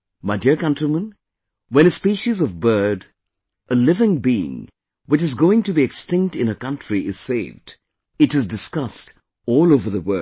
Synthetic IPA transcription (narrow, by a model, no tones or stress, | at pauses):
maɪdiɹkʌ̃ntɹimə̃n | wɛ̃ñɨspiʃizʌvbɜ˞d | ʔəlɪvɪ̃ŋbiɪ̰̃ŋ | wɨt͡ʃɨzɡoʊɪ̃ŋtɨbiɨkstɪ̃ŋk̚tɨ̃nəkʌ̃ntɹiʔɪz̥seɪvd | ɨɾɨzdɨskʌst | ɔlˠoʊvə˞ðəwɜ˞